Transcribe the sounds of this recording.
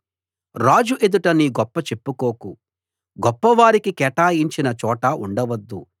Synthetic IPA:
ɾaːd͡ʒuʔe̞d̪uʈɐniːɡɔpːɐt͡ʃe̞pːukoːku | ɡɔpːɐʋaːɾikikɛːʈaːjiɲt͡ʃinɐt͡ʃɔːʈɐuɳɖɐʋɐd̪ːṵ

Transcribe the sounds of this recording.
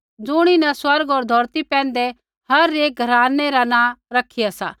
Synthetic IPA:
d͡zʊɽ̃inɛ̃swɐɾɡɦoːɾd̪ʱɔːɾt̪ipɛ̃ːn̆d̪e | hɐɾeːk̚ɡʱɐɾaːnːeɾanãːɾɐkʰːiasa̰ː

